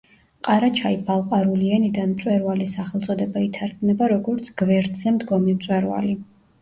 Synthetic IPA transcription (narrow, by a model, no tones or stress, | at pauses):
qʼaɾat͡ʃʰaibʰalˠqʼaɾuliɛnid̪anmt̪ʼwɛɾvalisaχɛlˠt̪sʼɔd̪ɛbait̪ʰaɾkʰmnɛbaɾɔɡɔɾt̪sʰɡ̥vɛɾd̪zɛmd̪ɡɔmimt̪sʼwɛɾva̰li